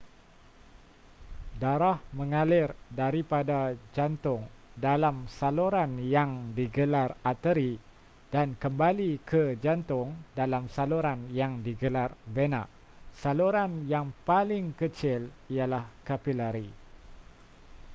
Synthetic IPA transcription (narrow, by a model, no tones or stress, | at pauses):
daɾahmə̃ŋalɪrdaɾipadad͡ʒant̪ʊŋdalamsaluɾanjaŋdiɡəlarat̪əɾi | d̥ankəmbalikəd͡ʒant̪ʊŋdalamsaluɾanjaŋdiɡəlarvena̰ʔ | saluɾanjaŋpalɪŋkət͡ʃɪlijalahkapilaɾi